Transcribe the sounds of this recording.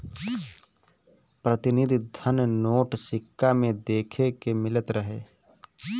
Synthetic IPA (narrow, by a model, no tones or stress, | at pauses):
pɾət̪ɪnɪd̪ʱd̪ʱənnoːʈsɪkːamẽd̪eːkʰekemɪlət̪ɾəɦeː